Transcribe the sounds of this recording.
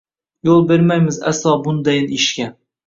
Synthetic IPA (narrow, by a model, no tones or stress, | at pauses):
jolˠbeɾmajmɪza̰slˠɒbʊnd̪ajɪniʃkʲa